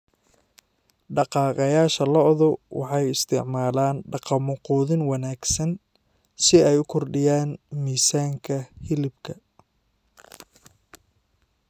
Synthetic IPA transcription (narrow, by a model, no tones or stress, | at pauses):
ɖɑqɑːqɑjaːʃɐlɐʔðɔwɑ̰ħɑjɪst̪ʰɪʕmaːlaːnɖɑqɑmʊquːðɪnwɑnaːɡsɐn | sɪɛjʊkʰɔrɖɪjaːnmiːsaːŋkʰɐhɪlɪbkʰɐ